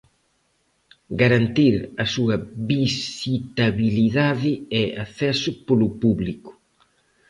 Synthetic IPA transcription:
ɡaɾant̪iɾɐsuɐβisit̪aβiliðaðɪɛaθɛsʊpolʊpuβlikʊ̥

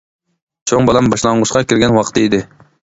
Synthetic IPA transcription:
t͡ʃʰoŋbɑlˠɛmbɑʃlˠɑŋʁʊʃqɑkʲɪɾɡʲɛnwɑqʰt̪ɨid̪ɪ

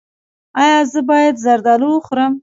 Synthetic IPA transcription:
ɑjɑzəbɑjad̪zaɾd̪ɑluwəxɾəm

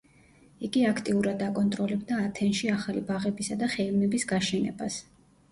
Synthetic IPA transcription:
iɡiakʰt̪ʼiuɾad̪akʼɔnt̪ʼɾɔlɛbd̪aːt̪ʰɛnʃiaχalibaʁɛbisad̪aχɛivmɛbisɡaʃɛnɛ̰ba̰s

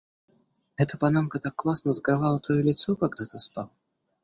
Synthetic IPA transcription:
ɦɛt̪əpanamkət̪akːlˠasnəzɡɾavalˠət̪ɔjɛlʲɪt̪sɔkaɡd̪at̪aspalˠ

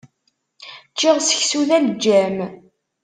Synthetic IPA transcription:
t͡ʃːiʁsə̥çsuðæld͡ʒːæm

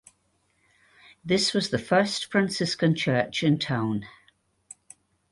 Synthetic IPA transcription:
ðɪswɒzðəfɜˑstfɹãnsɪskə̃nt͡ʃʰɜˑt͡ʃɪ̃ntʰãʊ̃n

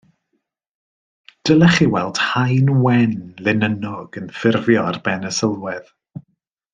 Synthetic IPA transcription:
d̥əlˠɛχiwɛlˠd̥hajnwɛnlɪnənɔɡənfɪrvjɔarbɛnəsəlˠwɛð̥

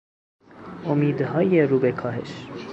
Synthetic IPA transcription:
ɔmid̪əɦɑjɛrubɛkʰɑɦɛʃ

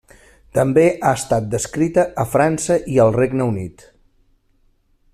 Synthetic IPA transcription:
t̪əmbeʔaəst̪at̪̚d̪əskɾit̪əʔːfɾansəʔiəlˠreɡnəunḭt̪

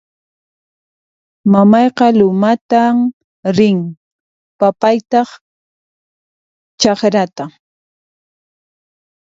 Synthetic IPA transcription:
mamɑjqɑlʊmat̪am | ɾɪŋ | papajt̪ɑχ | t͡ʃɑχɾat̪a

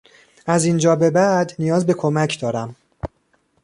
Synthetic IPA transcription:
ʔæzind͡ʒɒːbe̞bæd̪nijɒːzbe̞kʰo̞mæcʰd̪ɒːɾæm

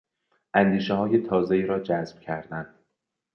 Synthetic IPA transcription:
ʔænd̪iːʃeɦɒːjet̪ʰɒːzeiːɾɒːd͡ʒæzb̥cʰæɾd̪ænd̪̥

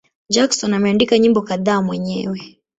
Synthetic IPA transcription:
d͡ʒaksɔnamɛandikaɲimbɔkaðaːmwɛɲɛwɛ

